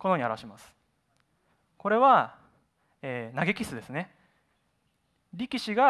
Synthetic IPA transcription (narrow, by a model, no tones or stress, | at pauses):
ko̞no̞ɲiaɾaɕimasɨ̥ | ko̞ɾe̞βa | eːnaɡe̞kʲisɨd̪e̞sɨne̞ | ɾʲikʲiɕiɡa